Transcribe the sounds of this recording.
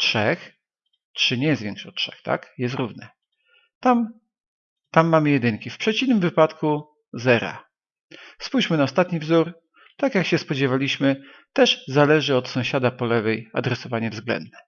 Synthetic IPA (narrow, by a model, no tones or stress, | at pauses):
tʂɛx | tʂɘɲɛjɛst̪vʲɛŋkʂɔtʂɛ̰xt̪a̰kjɛst̪ɾuvnɛ | t̪am | t̪amːamɘjɛd̪ɘŋkʲifpʂɛt͡ɕivnɘmvɘpat̪ku | zɛɾa̰ | spujt͡ɕmɘnaɔst̪at̪ɲivzuɾ | t̪akjakɕɛspɔd͡ʑɛvalʲiɕmɘ | t̪ɛʐzalɛʐɘɔt̪sɔ̃w̃ɕad̪apɔlɛvɛja̰d̪ɾɛsɔvaɲɛvzɡlɛ̰nd̪nɛ